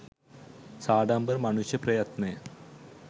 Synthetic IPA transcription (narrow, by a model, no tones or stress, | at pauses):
saːɖaːmbɐrmɐɳuɕjɐprɐjɐt̪ne